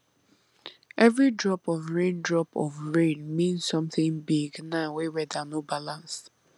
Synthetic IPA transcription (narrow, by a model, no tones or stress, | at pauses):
ɛvɹidɹɔpɔvɹẽndɹɔpɔvɹẽnmĩnssːɔ̃mθɪ̃ŋbiɡnawewɛdanobalãnst